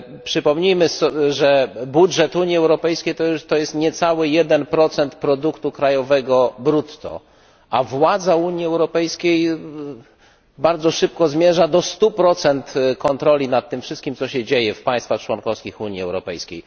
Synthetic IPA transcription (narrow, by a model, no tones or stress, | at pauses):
pʂɘpɔmɲijmɘsɔʐɛbudʐɛt̪uɲjiɛwɾɔpɛjskʲejt̪ɔt̪ɔjɛst̪ɲɛt̪sawɘjɛd̪ɛnpɾɔt̪sɛnt̪pɾɔd̪ukt̪ukɾajɔvɛɡɔbɾut̪ːɔ̰ | ʔavwad̪zauɲiɛwɾɔpɛjskʲej | baɾd̪zɔʂɘp̚kɔzmʲjɛʐad̪ɔst̪upɾɔt̪sɛnt̪kɔnt̪ɾɔlʲinat̪ːɘmfʂɘst̪kʲimt̪sɔɕɛd͡ʑejɛfpaj̃st̪faxt͡ʂwɔnkɔfskʲixuɲiɛ̰wɾɔpɛjskʲej